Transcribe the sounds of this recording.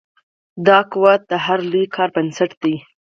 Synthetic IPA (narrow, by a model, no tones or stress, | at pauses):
d̪ɑkuwat̪̚d̪əɦaɾlujkʰɑɾbənsaʈd̪̥ij